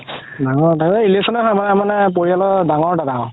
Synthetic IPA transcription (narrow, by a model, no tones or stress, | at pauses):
daŋɔɹdaileksɔnɛɦɔjmanmanɛp̬oɹialɔdaŋɔɹdadaw